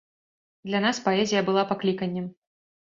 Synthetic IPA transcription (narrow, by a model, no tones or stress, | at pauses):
d̪lʲanaspaɛzʲijɐbɨlˠapaklʲikɐnʲːɛm